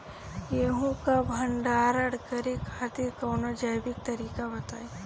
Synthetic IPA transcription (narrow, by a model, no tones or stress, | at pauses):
jeɦũkabʱɐ̃ɳɖaːɾɐɽkəɾekʰaːt̪ikɐːnod͡ʒəjbɪk̚t̪ɐɾiːkabɐt̪aːe